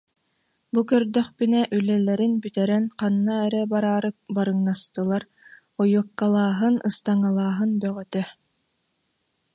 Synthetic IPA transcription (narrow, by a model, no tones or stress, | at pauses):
bukœɾd̪œχbynɛʔylɛlɛɾinbyt̪ɛɾɛnqanːaɛɾɛbaɾaːɾɯbaɾɯŋnast̪ɯlˠaɾ | ɔjukːalˠaːɦɯnɯst̪aŋalˠaːɦɯnbœʁœt̪œ